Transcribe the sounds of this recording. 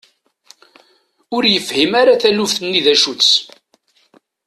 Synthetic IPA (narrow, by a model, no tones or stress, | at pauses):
ʊɾjəfhimaɾaθælufθnːiðæʃut͡sː